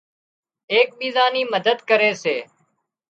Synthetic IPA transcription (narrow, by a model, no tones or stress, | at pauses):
eːk̚ɓiːzaːniːməd̪əd̪kəɾeːseː